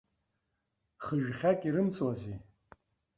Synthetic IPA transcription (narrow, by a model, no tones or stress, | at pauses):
χəʒχʲakʼiɾɨmt͡sʼwazi